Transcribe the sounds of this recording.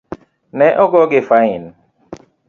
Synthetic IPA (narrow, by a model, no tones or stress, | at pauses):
nɛʔɔɡɔɡefain